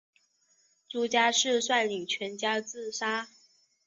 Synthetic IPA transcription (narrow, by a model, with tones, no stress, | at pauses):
t͡su˧˥t͡ɕja˥ʂɻ̩˥˧swa˥˩ɪli˨˩ŋt͡ɕʰɥɛ˧˥nt͡ɕja˥t͡sɹ̩˥˩ʂa˥